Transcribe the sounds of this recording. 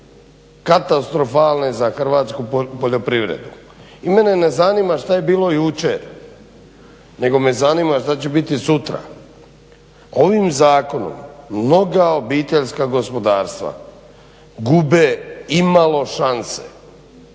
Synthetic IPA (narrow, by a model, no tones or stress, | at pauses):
kat̪ast̪ɾo̞faːlˠnezaxrʋaːt̪skupoʎo̞pɾiʋɾḛd̪u | ime̞ne̞nezanimaʃt̪aje̞biːlˠo̞jut͡ʃeɾ | ne̞ɡo̞me̞zanimaʃt̪at͡ɕebit̪isut̪ɾa̰ | o̞ʋimzaːko̞no̞̰mːno̞ɡao̞biːt̪e̞ʎskaɡo̞spo̞d̪aːɾst̪ʋa̰ | ɡubeimalo̞ʃansḛ